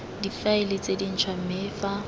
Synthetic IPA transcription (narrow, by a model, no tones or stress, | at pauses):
difaɪlɪt͡sʼedin̩t͡ʃʰwam̩mɪːfa